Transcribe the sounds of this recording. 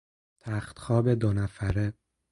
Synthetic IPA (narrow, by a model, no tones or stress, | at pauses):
t̪ʰæxt̪xɒːbed̪onæfæɾe